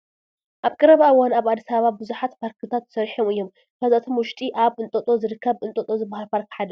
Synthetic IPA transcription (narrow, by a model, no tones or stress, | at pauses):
ʔaβkʼɨɾɐβaɨwːanaβad̪ːisaββabɨzuħat̪pʰaɾkʰɨt̪ʰat̪ːsɐɾħomɨjːo̞m | kʰɐzat̪ʰo̞mwʊʃt̪ʼiʔaβɨnt̪ʼɐt̪ʼo̞zɨɾɨkʰːɐβɨnt̪ʼot̪ʼo̞zɨbːahalpʰaɾkħad̪ɐ